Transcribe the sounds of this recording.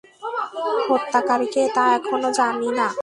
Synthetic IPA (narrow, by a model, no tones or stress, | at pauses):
hot̪ːakaɾiket̪aɛkʰonod͡ʑanina